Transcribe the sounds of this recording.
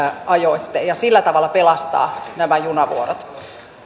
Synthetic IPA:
ɑjoit̪ːeːjɑsilːæt̪ɑʋɑlːɑpelɑst̪ɑ̰ːnæmæjunɑʋṵoɾot̪

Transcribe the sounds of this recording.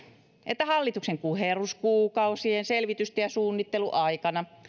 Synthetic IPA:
ʔet̪ːæhɑlːit̪ukseŋkuheruskuːkɑusienselʋit̪yst̪ejjɑsuːnːit̪ːeluʔɑikɑnɑ

